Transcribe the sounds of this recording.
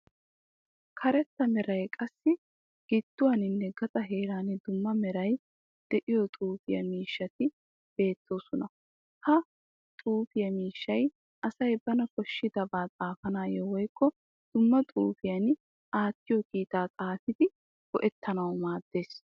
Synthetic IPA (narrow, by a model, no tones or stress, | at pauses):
kʰɐɾɛt̪ːɐmɛɾɐjkʼɐsːɪ | ɡ̥ɪd̪̥ːʊwaːnɪnːɛɡɐt̪ʼɐɦe̞ːɾaːnɪd̪ʊmːɐmɛɾɐj | d̪̥ɛʔɪjɔt̪ʼuːfɪjɐ̰miːʃːɐt̪ɪ | b̥e̞ːt̪ʰːo̞ːsʊnɐ | hɐ | t̪ʼuːfɪjɐmiːʃːɐj | ʔɐsɐjbɐnɐkɔʃːɪd̪ɐbaːt̪ʼaːfɐnaːjɛwɔjkːɔ | d̪̥ʊmːɐt̪ʼuːfɪjɐn | aːt̪ːɪjɔkiːt̪aːt̪ʼaːt̪ɪd̪ɪ | b̥ɔʔɛt̪ːɐnɐwmaːd̪ːe̞ːs